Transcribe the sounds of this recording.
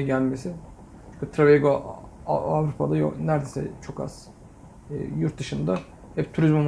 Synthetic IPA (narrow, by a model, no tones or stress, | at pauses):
ɟælʲmesɪ | t͡ʃʰyɲcyt̪ʰɾaveɡo | avɾupʰad̪ajo̰næɾd̪esɛ̰t͡ʃʰo̞ka̰z̥ː | juɾt̪̚d̪ɯʃɯnd̪a | hɛpt̪ʰuɾizmum